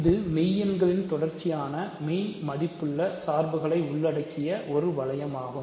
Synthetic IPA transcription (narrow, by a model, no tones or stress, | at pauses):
ɪðɯmiːjɛnɡɐɭɪnt̪ɔɽɐɾt͡ʃːɪjaːnɐmiːmɐðɪpːɯɭːɐsaːɾbɯɣɐɭɐɪʊɭːɐɽɐkːɪjɐʔɔɾɯʋɐɭɐjɐmaːɣɯm